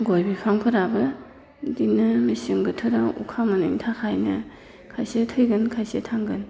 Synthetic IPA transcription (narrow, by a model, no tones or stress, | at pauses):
ɡojbipʰaŋpʰɯɾabɯ | dinɯmisiŋɡɯtʰɯɾaṵkʰamanɯŋtʰaxʰajnɯ̰ | kʰajsetʰɯjɡɯnkʰajsetʰaŋɡɯn